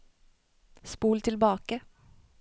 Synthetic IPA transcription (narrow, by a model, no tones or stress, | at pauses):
spuːlt̪ʰɪlbɑːkə